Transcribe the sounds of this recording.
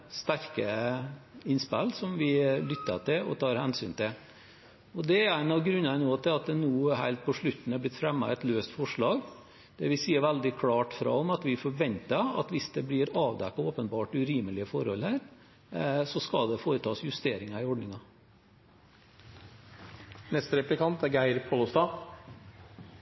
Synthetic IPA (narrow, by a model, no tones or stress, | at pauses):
st̪æɾkə | ɪnspælːsɔmʋɪlʏt̪ːɑt̪ɪlɔ̰t̪ʰɑːɾhɛnsyːnt̪ɪl | ɔd̪ɛæɪnɑʋɡɾʉnːɑɾnoːt̪ʰɪlɑt̪̚d̪ɛnuːhæɪlt̪̚pʰɔʂɭʉt̪ːn̩æblɪt̪fɾɛmːɑ̰ɛt̪løːst̪fɔʂɭɑːɡ | d̪̥ɛʋɪsiːəɾʋæld̪ɪkʰɽɑːʈfɾɑ̰ɔmɑt̪ʋɪfɔɾʋɛnt̪əɑ̰t̪ʋɪsd̪ɛblɪːɾɑːʋd̪ɛkːɑoːpənbɑːʈʉɾiːməlɪəfɔɾhɔ̰lhæːɾ | sɔskɑd̪ɛfoːɾət̪ʰɑːsjʉst̪eːɾɪŋɑɪɔɖnɪŋɑ | nɛst̪əɾɛplɪkʰɑnt̪æɾɡæɪɾpʰoːlʊst̪ɑː